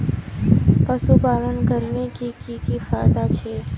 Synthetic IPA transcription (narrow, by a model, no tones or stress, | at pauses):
pəsupaːlənkəɾnekikikifaːjd̪at͡ʃʰeː